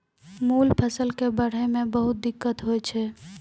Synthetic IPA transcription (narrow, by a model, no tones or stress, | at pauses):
muːlpʰəsəlkebəɽ̤emẽbəɦʊt̪̚d̪ɪkːət̪ɦoɛt͡ʃʰɛ